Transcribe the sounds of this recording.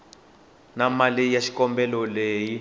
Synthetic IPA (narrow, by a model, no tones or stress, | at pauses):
namalijaʃi̥kɔmbɛlɔleji